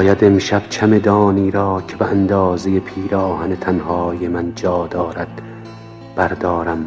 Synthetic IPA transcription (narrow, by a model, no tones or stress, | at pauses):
jæd̪emʃæb̥t͡ʃʰæme̞d̪ɒːniːɾɒːcʰe̞beænd̪ɒːzeje̞pʰiːɾɒːhænet̪ʰænhɒːjemænd͡ʒɒːd̪ɒːɾæd̪̥ | b̥æɾd̪ɒːɾæm